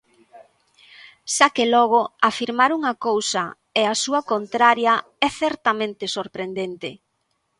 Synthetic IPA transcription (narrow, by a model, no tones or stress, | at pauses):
sakelɔɣ̞oafiɾmaɾuŋakowsɐ | easuɐkont̪ɾaɾjɐ | ɛθɛɾt̪amẽnt̪ɪsoɾpɾend̪ent̪ɪ